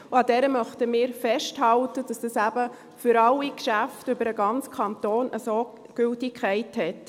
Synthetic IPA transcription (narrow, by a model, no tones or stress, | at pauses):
uɑdɛɾəmœχtəmɪːɾfɛʃthɑltəd̥ɑsd̥ɑsæbə | fʏɾɑlːikʃæftʏbəɾəɡɑnt͡skʰɑntoːnʔəsoː | ɡ̥øltɪkχæɪthɛt